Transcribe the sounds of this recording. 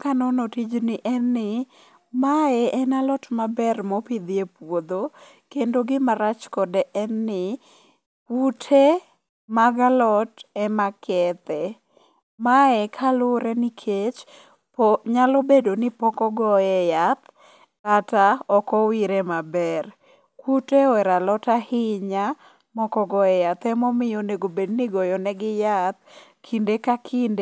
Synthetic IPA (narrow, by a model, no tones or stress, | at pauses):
kanɔnɔtid͡ʒnɪʔɛnːɪ | maɛʔɛnalɔtmabɛrmɔpɪd̪jepwod̪o | kendoɡɪmaɾat͡ʃkɔdɛʔɛnːɪ | utʰe | maɡalɔtɛmakʰɛt̪ɛ | maɛkʰalʊɾɛnikʰet͡ʃ | pɔɲalɔbedonɪpɔkɔɡɔɛjat̪ | kataɔkɔwiɾemabɛr | kuteɔɛɾalɔtahɪɲa | mɔkɔɡɔɛjat̪ɛmɔmɪjoneɡobednɪɡɔjɔnɛɡɪjat̪̚ | kʰindekakʰinde